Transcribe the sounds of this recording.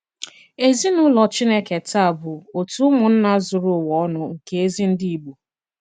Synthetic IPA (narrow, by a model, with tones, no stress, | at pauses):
e˦zi˦nʊ˦lɔ˨t͡ʃi˦ne˨ke˨ta˦˨a˨bʊ˨o˨tu˦mʊ˨n̩˦na˦zʊ˨ɾʊ˦˨wɔ˦ɔ˦nʊ˦ŋ̩˨ke˦e˦zi˦n̩˦di˦i˨ɡ͡bu˨